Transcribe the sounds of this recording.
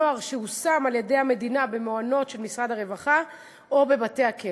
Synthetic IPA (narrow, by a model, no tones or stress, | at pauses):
oaʁʃehusamalje̞de̞jhame̞dinabe̞moano̞tʃe̞lmisʁadhaʁe̞vaχa | ʔo̞be̞bate̞jhake